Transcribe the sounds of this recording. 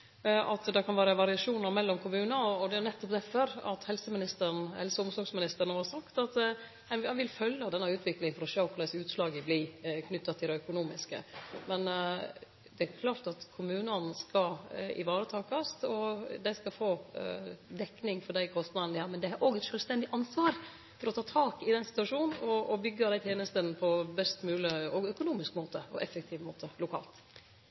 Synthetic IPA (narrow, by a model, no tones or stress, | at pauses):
ɑt̪d̪ɑkʰɑnʋæːɾəʋɑɾɪɑʂuːnɑɾmɛlːɔmkʰʊmʉːnɑɔɔd̪ɛænɛt̪ːɔpd̪ɛfɔɾɑ̰t̪hɛlsəmɪnɪst̪əɾnhɛlsəʊmsɔɾɡsmɪnɪst̪əɾəɳəhɑɾsɑkt̪ɑt̪ | ɛnhɛnʋɪlfœlːɑd̪ɛnːɑʉːt̪ʰʋɪklɪŋəfɔɾɔʃøːkʰʊɖ̪æɪsʉːt̪slɑːɡəblɪkʰnʏt̪ːɑt̪ʰɪlɑœkʊnuːmɪskə̰mɛn | d̪ɛæɾkʰlɑːɾt̪ɑt̪kʰʊmʉːnɑnskɑɪ̰ʋɑːɾət̪ʰɑːkɑst̪ɔd̪æɪskɑfoː | d̪ɛkːnɪŋfɔɖæɪkʰɔst̪nɑd̪n̩d̪ɪhæːmɛnd̪ɛhɑɾʔoːɡɛt̪ʃœːlst̪ɛnd̪ɪʔɑnsʋɑːɾ | fɔɾɔt̪ʰɑːt̪ʰɑːkɪd̪ɛnsɪ̥t̪ʉʋɑʂuːnn̩ɔɔbʏɡːɑd̪æɪt̪ʰjeːnəst̪ənpʰɔbɛst̪mʉːləɔɡœkʊnuːmɪskmoːt̪əɔʔɛfɛk̚t̪ʰɪʋmoːt̪ʰəlʊkʰɑ̰ːlt̪